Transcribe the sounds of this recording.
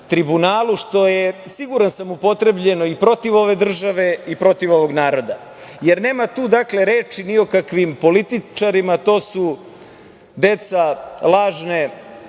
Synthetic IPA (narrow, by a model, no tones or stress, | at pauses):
t̪ɾibunaːlˠuʃt̪o̞jesiɡuɾansamupo̞t̪ɾe̞bʎe̞no̞ipɾo̞t̪iʋo̞ʋe̞d̪r̩ʒaʋe̞ipɾo̞t̪iʋo̞ʋo̞ɡnaːɾo̞d̪a | jeɾne̞ːmat̪uːd̪akle̞ɾe̞ːt͡ʃinio̞kakʋimpo̞lit̪it͡ʃaɾimat̪o̞ːsu | d̪e̞t̪salˠaːʒne